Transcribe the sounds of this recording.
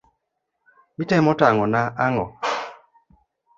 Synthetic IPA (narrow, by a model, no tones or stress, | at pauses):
mitɛmɔtaŋɔnaʔaŋɔ